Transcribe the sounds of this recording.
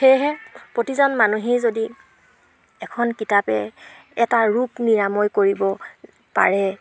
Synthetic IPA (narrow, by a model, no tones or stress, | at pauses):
xejɦɛpɹotizɔnmanuɦijzodi | ɛkʰɔnkitapɛ̰ | ɛtaɹukniɹamɔjkoɹibɔ | pa̰ɹɛ